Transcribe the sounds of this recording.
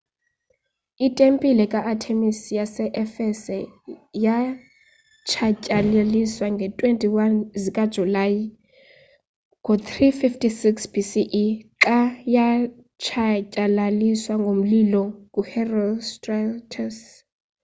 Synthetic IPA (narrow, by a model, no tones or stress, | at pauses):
itʼempʼilɛkʼaʔatʰemisijasɛʔɛfɛsɛja | t͡ʃʰacʼaleliswaŋɡʱɛtʼwentʼiwanzikʼad̥ʒ̥ʱulaji | ŋɡʱot̪ʰrififtʰʼisiksb̥isiʔiǁaja | t͡ʃʰacʼalaliswaŋɡʱom̩lilɔkʼuhɛrɔstʼratʰas